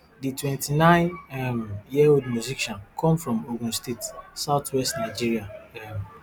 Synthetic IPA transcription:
ditwɛ̃ntinãɪ̃nɛmjiawidmjuziʃɔ̃nkʰɔ̃mfɹɔ̃moɡũnstetsaʊtʰwɛstnaɪd͡ʒiɹiaɛm

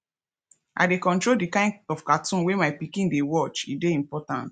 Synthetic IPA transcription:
ʔa̰dekɔ̃ntɹoldikãɪ̃nɔfkatʰũnwemaɪpikĩndewɔt͡ʃideĩmpɔtã̰nt

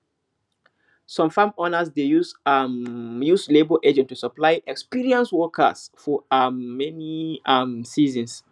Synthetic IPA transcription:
sɔ̃mfãmɔnəsdejusmjuslebəʔɛd͡ʒɛ̃ntːusəplaɪʔɛkspiɹiə̃nswɔkə̰sfɔamːɛniamsizə̃ns

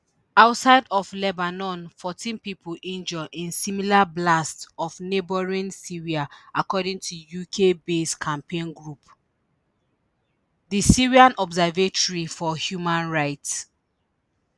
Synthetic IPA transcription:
aʊtsaɪdɔflɛbanɔ̃nfɔtʰĩnpipʰulʔĩnd͡ʒɔʔĩnsimilablastɔfnebɔɹĩnsiɹiaakɔdĩŋtʰujukʰebeskʰãmpʰẽnɡɹup | disiɹiãnɔbzɛvetɔɹifɔhjumãnɹaɪts

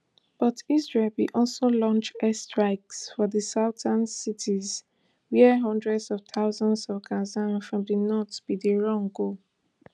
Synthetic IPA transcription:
b̥ɔtizɹelwiʔɔlsolɔ̃nt͡ʃɛstɹaɪksfɔðəsaʊtʰãnsitʰiz | wiɛɦɔ̃ndɹɛdzɔv̥t̪ʰaʊzɔ̃ndzɔvkʰãzãnfɹɔ̃mdinɔtb̥idiɹɔ̃ŋɡo

